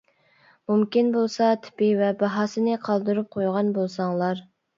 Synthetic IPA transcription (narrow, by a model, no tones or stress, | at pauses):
mumkʲinbolˠsɑt̪ʰɪ̥pivɛbɑɦɑːsɨnɨqʰɑlˠd̪ɨɾup̚qʰojʁɑnbolˠsɑŋlˠɑɾ